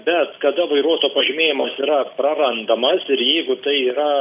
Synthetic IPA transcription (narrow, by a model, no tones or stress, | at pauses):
bʲɛt̪kɐd̪ɐʋɐɪɾuɔt̪oːpɐʒʲɪmʲeːjɪmɐsiːɾɐpɾɐɾɐnd̪ɐmɐsɪɾjɛɪɡʊt̪ɐɪiːɾɐ